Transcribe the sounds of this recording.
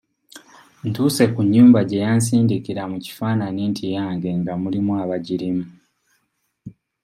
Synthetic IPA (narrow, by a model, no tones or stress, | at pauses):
n̩tuːse̞kuɲːuːmbaɟe̞jans̬iːndikiɾamuci̥faːnaniːntʰijaːŋɡe̞ŋɡamulimuaβaɟiɾimu